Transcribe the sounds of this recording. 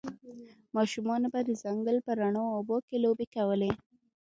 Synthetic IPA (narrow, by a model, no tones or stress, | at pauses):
mɑʃumɑnobad̪əzaŋɡəlpəɾaɳoːbokelobekawəle